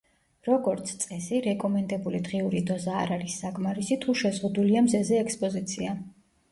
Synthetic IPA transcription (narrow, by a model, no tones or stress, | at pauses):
ɾɔɡɔɾt̪sʰt̪sʼɛsiɾɛkʼɔmɛnd̪ɛbulid̪ʁiuɾid̪ɔza̰ːɾaɾisːakʼmaɾisit̪ʰuʃɛzʁud̪uliamzɛzɛɛkspʼɔzit̪sʰia